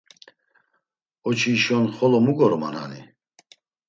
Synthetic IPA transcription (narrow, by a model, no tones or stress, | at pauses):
ɔt͡ʃʰiːʃɔnχɔlɔmuɡɔɾma̰na̰nḭ